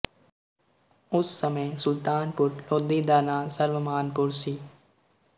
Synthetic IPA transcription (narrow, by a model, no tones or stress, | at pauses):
ʊsːəmə̃sʊlt̪aːnpʊɾloːd̪iːd̪aːnaːsəɾʋəmaːnpʊɾsiː